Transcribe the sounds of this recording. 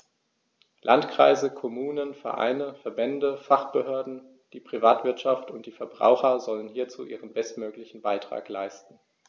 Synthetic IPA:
lʔantkʁ̥a̰ɪzəkʰɔmuːnənfɛ̰ɐʔa̰ɪnəfɛɐbɛndəfaχb̥əhøːɐdn̩ | d̥iːpʁ̥ivaːtv̥ɪɐtʃaftʊnt̚d̥iːfɛɐbʁa̰ʊxɐzɔlənɦiːɐt͡sṵːʔḭːʁənbɛstmøːklɪçn̩baɪtʁ̥a̰ːklaɪstn̩

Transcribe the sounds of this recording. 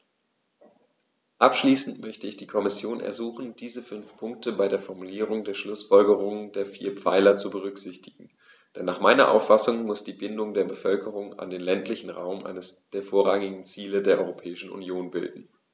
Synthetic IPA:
ʔapʃliːsn̩tmœçtəɪçd̥iːkʰɔmɪsjoːnʔɛ̰ɐzuːχn̩d̥iːzəfʏnfpʰʊŋk̚təbaɪɾeːɐfɔɐmuliːʁ̞ʊŋdeːɐʃlʊsfɔlɡəʁ̞ʊŋdeːɐfiːɐpp͡faɪlɐt͡subəʁ̞ʏkz̥ɪçtɪɡŋ̩ | d̥ɛnːaːχmaɪnɐʔa̰ʊfasʊŋmʊsd̥iːbɪndʊŋdeːɐbəfœlkəʁ̞ʊŋa̰ndeːnlɛntʰlɪçn̩ʁa̰ʊmʔa̰ɪnəsd̥eːɐfoːɐʁaŋɪɡŋ̩t͡siːlədeːɐʔɔʏʁopʰɛːɪʃn̩ʔṵnjoːnbɪ̰ldn̩

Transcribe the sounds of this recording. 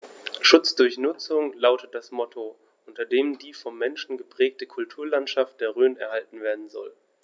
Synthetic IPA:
ʃʊt͡sd̥ʊɐçnʊt͡sʊŋlaʊtət̚d̥asmɔtʰo | ʔʊntɐdeːmdiːfɔmːɛnʃn̩ɡəpʁ̥ɛːk̚təkʰʊltʰuːɐlantʃaft̚d̥eːɐʁøːnɛɐɦaltn̩veːɐdn̩zɔ̰l

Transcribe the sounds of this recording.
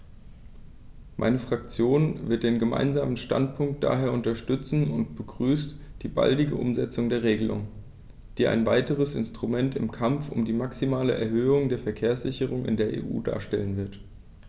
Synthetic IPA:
mʔa̰ɪnəfʁ̥ak̚t͡sjoːnvɪɐt̚d̥eːnɡəma̰ɪnzaːmənʃta̰ntpʰʊŋk̚t̚d̥a̰ːɦeːɐʔʊntɐʃtʏt͡sn̩ʊntb̥əɡʁyːstd̥iːba̰ldɪɡə̰ʔʊ̰mzɛt͡sʊŋdeːɐʁ̞eːɡəlʊ̰ŋ | d̥iːʔa̰ɪnvaɪtəʁ̞əsɪ̰nstʁ̥umɛntɪmkʰamfʊ̰mdiːmaksimaːləʔɛɐhøːʊŋdeːɐfɛɐkʰeːɐsz̥ɪçəʁ̞ʊŋʔɪ̰ndeːɐʔḛːʔṵːda̰ːɐʃtɛlənvɪɐt

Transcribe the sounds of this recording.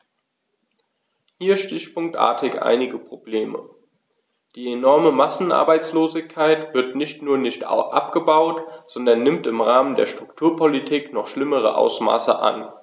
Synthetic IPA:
hiːɐʃtɪçpʊŋk̚tʔa̰ːɐtʰɪçʔa̰ɪnɪɡəpʁ̥obleːmə̰ | d̥iːenɔɐməmasn̩ʔa̰ɐbaɪt͡sloːzɪçkʰːaɪtv̥ɪɐtnɪçtnuːɐnɪçtʔa̰pɡ̥əbaʊtz̥ɔndɐnːɪmtɪmʁaːməndḛːɐʃtʁ̥ʊktʰuːɐpʰolitʰiːknɔχʃlɪməʁ̞ə̰ʔa̰ʊsma̰ːsəʔa̰n

